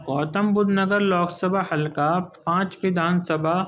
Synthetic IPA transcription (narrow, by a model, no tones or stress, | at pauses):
kɔːt̪əmbʊd̪nɐɡəɾlɔːɡsɐbʱahɐlkaːpãːt͡ʃpid̪aːnsɐbʱa